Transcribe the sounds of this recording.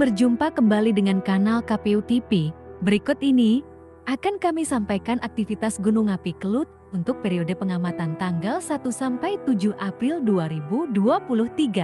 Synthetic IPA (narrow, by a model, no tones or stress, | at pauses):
bərd͡ʒumpakəmbalidəŋankanalkapeut̪ipibəɾikʊt̪ini | ʔakankamisampajkanʔak̚t̪ifit̪asɡunuŋapikəlʊt̪̚unt̪ʊk̚peɾiodəpəŋamat̪ant̪aŋɡalsat̪usampajt̪ud͡ʒuhʔapɾɪlduaɾibuduapulʊht̪iɡa